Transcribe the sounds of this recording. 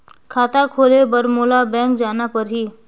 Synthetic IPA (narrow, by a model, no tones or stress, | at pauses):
kʰaːt̪akʰoːlebəɾmoːlabɛ̃ːŋkd͡ʒaːnapəɾɦiː